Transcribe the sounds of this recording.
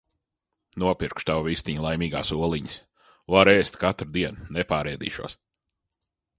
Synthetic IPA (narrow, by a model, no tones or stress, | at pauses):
nuɔpiɾkʃt̪awvist̪iɲlˠajmʲiːɡa̰ːsuɔlˠiɲis | vaɾɛːst̪ʲkat̪ɾd̪iɛnnɛpaːɾɛːd̪ḭːʃṵɔs